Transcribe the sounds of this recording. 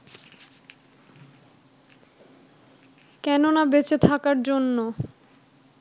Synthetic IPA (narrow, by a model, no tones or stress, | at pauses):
kɛnonabet͡ɕet̪ʰakaɾd͡ʑonːo